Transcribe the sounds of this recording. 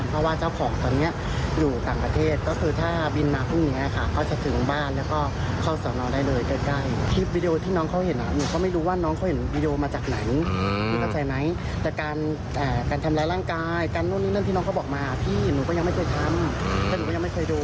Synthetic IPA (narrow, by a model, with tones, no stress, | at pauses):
npʰɾɔ˦waː˥˩t͡ɕaː˥˩wkʰɔː˩˦ŋt̪ɔː˧nːi˦˥ɐʔ | juː˨˩t̪aː˨˩ŋpɾa˧t̪ʰeː˥˩t̪̚kɔː˥˩kʰɯː˧t̪ʰaː˥˩bi˧nːa˦˥p̚u˥˩˨a˦˥˨kʰa˦˥˩kʰa˦˥˩wt͡ɕa˨˩t̪ʰɯ˨˩˦ŋbaː˥˩nlɛː˦˥wkɔː˥˩ | kʰa˥˩wsɔː˨˩˦ŋnɔː˧ndaː˥˩jlɤː˧jkɤː˧˥˩ka˥˩jt̪ʰiː˦˧˥p̚wiː˧di˧oː˧t̪ʰiː˥˩nɔː˦˥ŋkʰa˦˥whe˨˩˦nʔa̰˨˧˩nuː˨˦kɔː˥˩ma˥˩jɾuː˦˥waː˥˩nɔː˦˥ŋkʰa˦˥whe˨˩˦nwiː˧di˧ʔoː˧maː˧t͡ɕaː˨˩k̚na˩˦jmiː˧˥˩pʰa˧˥˩t͡ɕa˧jma˦˥j | t̪ɛː˨˩kaː˧n | ʔaː˨˩kaː˧nt̪ʰa˧mlaː˧˥jɾaː˥˩ŋkaː˧jkaː˧nːuː˥˩˨niː˦˥na˥˩t̪ʰiː˥˩nɔ˦˥kʰa˦˥wbɔː˨˩k̚maː˧t̪ʰiː˥˩nuː˨˦kɔː˥˩a˧ŋma˥˩kɤː˧jt̪ʰa˧mt̪ɛː˧˥˩nuː˨˦kːɔ˥˩ja˧ma˥˩jkʰɤː˧jduː˧